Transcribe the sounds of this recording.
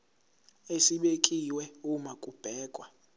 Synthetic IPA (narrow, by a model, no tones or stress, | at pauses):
esiɓekʼiwɛumakʼub̥ʱɛːkʼwa